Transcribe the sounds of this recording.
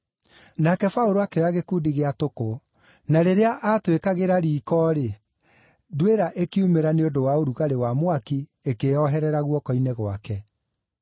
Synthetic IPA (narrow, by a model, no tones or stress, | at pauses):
nakɛfaoɾoakeɔaɣekuːdiɣeatoko | naɾeɾeaʔatwekaɣeɾaɾiːkɔːɾe | ðweɾaʔekiumeɾaneodowaoɾuɣaɾewamwaki | ekeɔɦɛɾɛɾaɣwɔkɔinɛɣwakɛ